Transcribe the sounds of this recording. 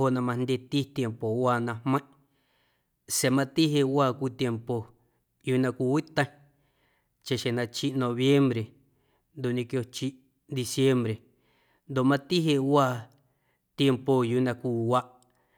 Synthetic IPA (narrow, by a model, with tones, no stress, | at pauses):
ho˧˨ʔnã˧mã˧nd̪ʲe˧t̪i˦t̪je˧mpo˨waː˧˨nã˧hmə̃˦ʔ | se˨mã˧t̪i˦ɦe˧ʔwaː˦˧kʷi˦˨t̪je˧mpo˨ | juː˧˦ʔnã˧kʷi˧wi˦t̪ə̃˦ | t͡ʃe˨ʃe˨nã˧t͡ʃi˦ʔnõ˧βje˦mbɾe˨ | nd̪o˨ʔɲĩ˧kjo˧t͡ʃi˦ʔ | d̪i˧sje˦mbɾe˨ | nd̪o˨ʔmã˧t̪i˦ɦe˧ʔwaː˦˧˨ | t̪je˧mpo˧juː˦ʔnã˧kʷi˧wa˦ʔ